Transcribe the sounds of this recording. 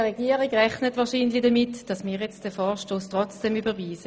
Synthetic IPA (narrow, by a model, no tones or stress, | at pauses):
ʁeɡiːəʁiɡʁɛχnətvʋɑːɐʃiːnlid̥əmɪtd̥ɑsmiːjɛt͡std̥ɛfɔːɐʃtoːstʁɔt͡sd̥ɛmybəviːsə